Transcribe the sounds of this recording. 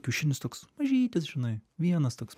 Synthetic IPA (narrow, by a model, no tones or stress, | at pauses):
kʲuːʃʲɪnʲɪst̪oːksmɐʒʲiːt̪ʲɪsʒʲɪnɐɪʋʲiɛnɐst̪oːks